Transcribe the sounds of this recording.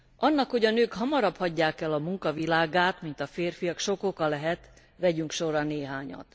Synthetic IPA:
ʔɒnːɒkho̞ɟɒnøːkhɒmɒɾɒphɒɟːaːkɛlɒmuŋkɒvilaːɡaːt̪mint̪ɒfeːrfijɒkʃo̞ko̞kɒlɛɦɛt̪ | ʋɛɟyŋkʃo̞rɾɒneːɦaːɲɒ̰t̪

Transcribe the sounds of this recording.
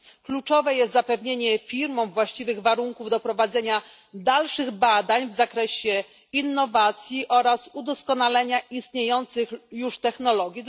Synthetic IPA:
klut͡ʂɔvɛjɛst̪zapɛvɲeɲɛfʲiɾmɔ̃w̃vwaɕt͡ɕivɘɣvaɾuŋkuvd̪ɔpɾɔvad̪zɛɲa | d̪alʂɘɣbad̪aɲvzakɾɛɕɛ | inːɔvat̪sʲjiʔɔɾasud̪ɔskɔnalɛɲaʔist̪ɲejɔnt̪sɘxjuʂt̪ɛxnɔlɔɡʲi

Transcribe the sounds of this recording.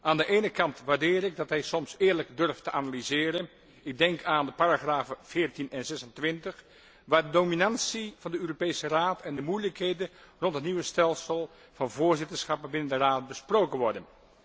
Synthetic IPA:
ʔaːndəʔejnəkɑntʋaːɹdɪːɾɪɡ̚dɑtɦɛjsɔmsɪːɹləɡdɵrftəʔanalizɪːɾən | ɪɡ̚dɛŋkaːndəpaːɾaχraːfv̥ɪːɹtinɛnzɛsəntʋɪntəχ | ʋaːɹdədominɑnsiv̥ɑndəøːropejsəraːtʰɛndəmujləkɦejdənrɔntɦətniʋəstɛlˠsəlˠ | v̥ɑnvʊːɹzɪtəɹsχɑpənbɪnəndəraːt̚bəsprowkənʋɔɹdən

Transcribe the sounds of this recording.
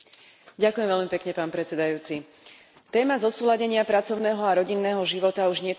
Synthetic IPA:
ɟakujɛmvɛʎlmipɛkɲɛpaːnpɾɛt͡sɛd̪ajuːt͡si | t̪ɛːmazɔsuːlaɟɛɲɪapɾat͡sɔʊnɛːɦɔaɾɔɟinːɛːɦɔʒiʋɔt̪auʒɲɪɛk

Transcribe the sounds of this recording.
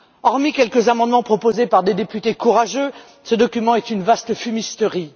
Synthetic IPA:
ɔʁmikʲɛlkəzamɑ̃d̪mɑ̃pχɔpozepaʁd̪ed̪epyt̪ekuʁaʒø | səd̪ɔkʲymɑ̃ɛt̪ynvast̪əfymist̪əʁi

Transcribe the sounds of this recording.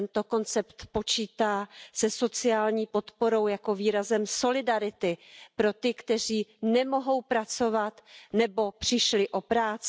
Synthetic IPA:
nt̪o̞ko̞nt͡sɛpt̪po̞t͡ʃiːt̪aːsɛso̞t͡sɪaːlɲiːpo̞t̪po̞ɾo̞wjako̞viːɾazɛmso̞lɪdaɾɪt̪ɪpɾo̞t̪ɪkt̪ɛr̝iːnɛmo̞ɦo̞wpɾat͡so̞vat̪nɛbo̞pr̝̥ɪʃlɪʔo̞pɾaːt͡s

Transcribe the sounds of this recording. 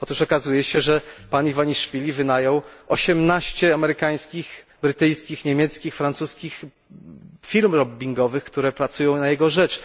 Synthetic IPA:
ɔt̪uʂɔkazujɛɕɛʐɛpaɲivaɲiʂfʲilʲivɘd̪ajɔ̃w̃ɔɕɛmnaɕt͡ɕɛamɛɾɘkaj̃skʲix | bɾɘt̪ɘjskʲixɲemʲjɛt̪skʲixfɾant̪suskʲix | fʲilmɾɔbʲːiŋɡɔvɘxkt̪uɾɛpɾat̪sujɔ̃w̃najɛɡɔʐɛt͡ʂ

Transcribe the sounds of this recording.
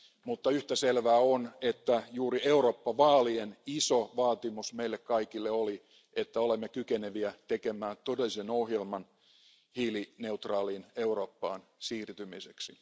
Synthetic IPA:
mut̪ːɑyht̪æselʋæːonet̪ːæjuːrieuroːpːɑʋɑːlienisoʋɑːt̪imusmeilːekkɑikilːeoli | et̪ːæolemːekykeneʋiæt̪ekemæːt̪odelːisenohjelmɑn | hiːlineut̪rɑːliːne̞uroːpːɑːnsiːrt̪ymiseksi

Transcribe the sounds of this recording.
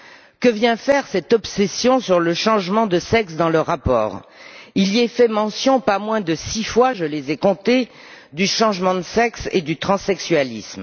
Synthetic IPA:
kəvjɛ̃fɛʁsɛt̪ɔpsesjɔ̃syʁləʃɑ̃ʒmɑ̃d̪əsɛksd̪ɑ̃ləʁːapɔ̰ːʁiliɛfɛmɑ̃sjɔ̃pamwɛ̃d̪əsifwaʒəlezɛkɔ̃t̪e | d̪yʃɑ̃ʒmɑ̃d̪əsɛksḛd̪yt̪χɑ̃sɛksɥalism

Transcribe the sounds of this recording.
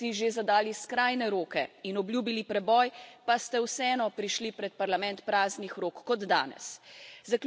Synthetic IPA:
iʒezad̪aːliskɾaːjnɛɾoːkɛinɔbljuːbilipɾɛbɔːjpast̪ɛwsɛɛːnɔpɾiʃlipɾɛt̪̚paɾlamɛ̃nt̪pɾaːznixɾoːkːɔd̪d̪a̰ːnɛ̰szakl

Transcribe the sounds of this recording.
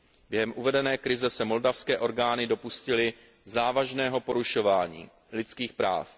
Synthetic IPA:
bjɛɦɛmʔuvɛdɛnɛːkɾɪzɛsɛmo̞ldafskɛːʔo̞ɾɡaːnɪdopuscɪlɪ | zaːvaʒnɛːɦo̞po̞ɾuʃo̞vaːɲḭː | lɪt͡skiːxpɾa̰ːf

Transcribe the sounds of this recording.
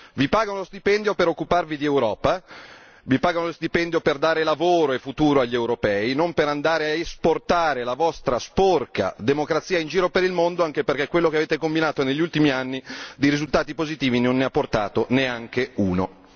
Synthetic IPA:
vipaːɡanolost̪ipɛnd̪jopeɾokːuparvid̪iewɾɔːpa | vipaːɡanolost̪ipɛnd̪joperd̪aːɾelavoːɾoefut̪uːɾoaʎːewɾopɛːinompeɾand̪aːɾeaesport̪aːɾelavɔst̪ɾasporka̰d̪emokɾat̪sːiːaind͡ʒiːɾopeɾilmond̪oaŋkeperk̟ekːwelːokeaveːt̪ekombinaːt̪oneʎːult̪imianːid̪iɾizult̪aːt̪ipozit̪iːvinonːeapːort̪a̰ːt̪oneaŋkeuːno̰

